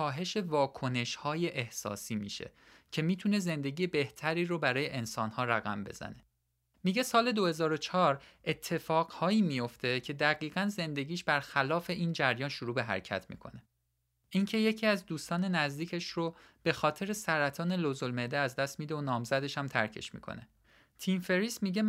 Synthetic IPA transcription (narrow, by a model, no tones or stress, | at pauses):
kɒːɦe̞ʃe̞vɒːkʰo̞ne̞ʃhɒːje̞ʔehsɒ̰ːsiːmḭːʃḛ | cʰe̞miːt̪ʰune̞ze̞nd̪e̞ɟijebe̞ht̪ʰæɾiːɾobæɾɒːje̞ʔensɒːnhɒːɾæɣæ̰mbe̞̰z̥æ̰ne̞̥ | miɟe̞sɒːle̞d̪o̞he̞zɒːɾo̞t͡ʃʰɒːɾe̞t̪ʰːe̞fɒːɣ̥hɒːiːmijo̞ft̪ʰe̞cʰe̞d̪æɣiːɣænze̞nd̪e̞ɟiːʃb̥æɾxælɒːfe̞ʔiːnd͡ʒæɾjɒːnʃoɾuːbe̞ɦæ̰ɾcʰæ̰t̪ʰmḭːkʰo̞̰ne | ʔiŋcʰe̞je̞cʰiːæzd̪uːst̪ɒːne̞næzd̪iːcʰe̞ʃrob̥e̞xɒːt̪ʰe̞ɾesæɾæt̪ʰɒːnelozolmed̪eæzd̪æst̪miːd̪eonɒːmzæd̪e̞ʃhæmt̪ʰæɾcʰe̞̰ʃmḭːkʰo̞̰ne̞ | t̪ʰiːmfe̞ɾiːsmiːɟe̞